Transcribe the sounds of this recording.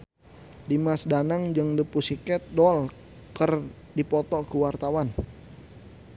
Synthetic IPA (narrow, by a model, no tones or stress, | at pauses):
dimasdanaŋd͡ʒəŋdipusikɛt̪̚dɔl | kər | dipɔt̪ɔkəwart̪awan